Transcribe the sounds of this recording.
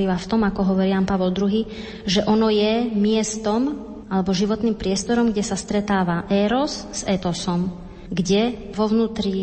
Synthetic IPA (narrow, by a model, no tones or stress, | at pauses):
iʋaft̪ɔmakɔɦɔʋɔɾianpaʋɔld̪ɾuɦiː | ʒɛʔɔnɔjɛmɪɛst̪ɔm | ʔalɛbɔʒiʋɔt̪nimpɾɪɛst̪ɔɾɔmɡɟɛsast̪ɾɛt̪aːʋaʔɛɾɔsz̥ɛt̪ɔsɔm | ɡɟɛ | ʋɔʋnuːt̪ɾi